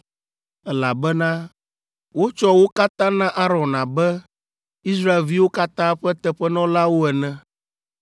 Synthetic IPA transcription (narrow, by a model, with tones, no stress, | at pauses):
ɛ˦la˨bɛ˦nã˦ | wo˦t͡ʃɔ˦wo˦ka˦t̪ã˦nã˦ʔa˦ɾɔ̃˨nã˨bɛ˦ | i˦s̬ɾa˦e˨lvi˦wo˦ka˦t̪ã˦ɸɛ˦t̪ɛ˦˨ɸɛ˦nɔ̃˦la˦wo˦ɛ˨nɛ̃˦